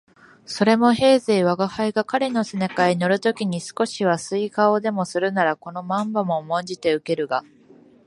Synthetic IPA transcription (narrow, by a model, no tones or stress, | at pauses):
so̞ɾe̞mo̞ɦe̞ːze̞ːβaɡahaiɡakaɾe̞no̞sɨnekaino̞ɾɯ̟t̪o̞kʲiɲ̟isɨ̥ko̞ɕiβasɨikaod̪e̞mo̞sɨɾɯ̟naɾako̞no̞mãmbamo̞ːmõ̞ɲd͡ʑit̪e̞ɯ̟ke̞ɾɯ̟ɡa